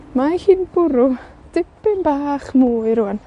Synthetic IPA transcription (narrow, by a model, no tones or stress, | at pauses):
mahiːnb̥ʊɾʊd̥ɪpɪnbaːχmuːɨɾʊan